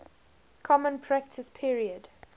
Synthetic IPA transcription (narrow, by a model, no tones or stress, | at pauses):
kʰɔmə̃npʰɹæk̚tʰəspʰiɹiəd